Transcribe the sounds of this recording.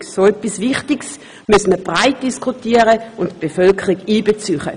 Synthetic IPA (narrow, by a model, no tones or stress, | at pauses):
soɛpːisvɪχtɪks | mysməb̥ʁaɪt̚d̥iskʰutiːəʁəʊntb̥efœlkʰəʁiɡiːbet͡syχə̰